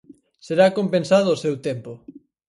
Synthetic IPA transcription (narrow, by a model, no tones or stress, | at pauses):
seɾakompensað̞ʊːsewt̪empo